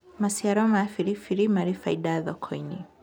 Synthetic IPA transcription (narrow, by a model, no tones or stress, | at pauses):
masiaɾɔmafiɾifiɾimaɾifaidaðɔkʰɔini